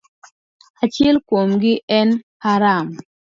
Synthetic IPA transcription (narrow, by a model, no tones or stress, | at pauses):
at͡ʃɪɛlkwomɡɪʔɛnhaɾam